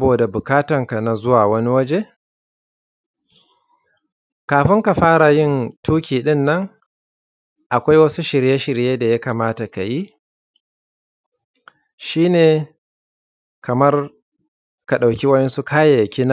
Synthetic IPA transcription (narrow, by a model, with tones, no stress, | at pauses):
boː˨da˨bʊ˨kaː˦tɐ˨ŋka˨na˨zʊ˦waː˨wɐ˦ni˦wɐ˦d͡ʒe˦ | kaː˨ɸɪ˦ŋka˨ɸaː˦ɽa˨jɪ˦ntʰuː˦kʲiː˨ɗɪ˦nːɐ˦ŋ | ʔa˨kʷa˦jwɐ˦su˦ʃɪ˨ɾje˦ʃɪ˨ɾjeː˦da˨ja˦kaː˨maː˦ta˨ka˨ji˦ | ʃiː˦neː˨ | kɐ˨mɐ˦r | ka˨ɗa˨wkʲi˦wɐ˦ɗɛ˦nsu˦kaː˦ja˨kʲi˦na˦˨